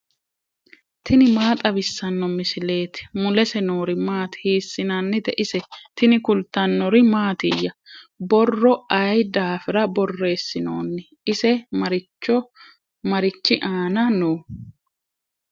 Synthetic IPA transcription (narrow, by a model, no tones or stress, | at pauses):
t̪ɪnɪmaːt̪ʼɐβɪsːɐnːɔmɪsɪle̞ːt̪mʊlɛsɛnoːɾɪmaːt̪hiːsːɪnɐnːɪt̪ɛʔɪsɛt̪ɪnɪkʊlt̪ːɐnːɔɾɪmaːt̪ɪjːɐbɔrːɔɐjd̪aːfɪɾɐbɔrːe̞ːsːɪnoːnːɪ | ɪsɛmɐɾɪt͡ʃːɔ | mɐɾɪt͡ʃːɪʔaːnɐnoː